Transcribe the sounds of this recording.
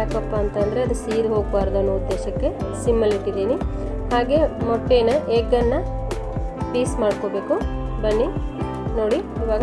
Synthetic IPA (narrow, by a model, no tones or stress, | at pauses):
akɐpːaːnt̪ɐnd̪ɐɾeɐd̪usiːɾɦoːɡʋaːɾɐd̪ɐːnːuud̪ːeːʃɐkːe̞simːɐliʈːid̪iːni | haːɡe̞ːmɔʈːeːnɐʔeːɡɐnːɐ | piːsmaːɖkoːbe̞ːkubɐɳːi | no̞ːɽiiːʋaːɡɐ